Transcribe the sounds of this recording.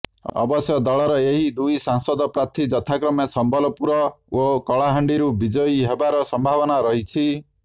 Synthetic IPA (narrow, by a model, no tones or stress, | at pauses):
ɔ̰bɔsjɔd̪ɔɭɔɾɔeɦid̪ujsaŋsɔd̪ɔpɾat̪ʰid͡ʒɔt̪ʰakɾɔmesɔmbʱɔlɔpuɾɔokɔɭaɦaɳɖiɾubid͡ʒɔjɦebaɾɔsɔmbʱaβɔnaɾɔɦit͡ʃʰi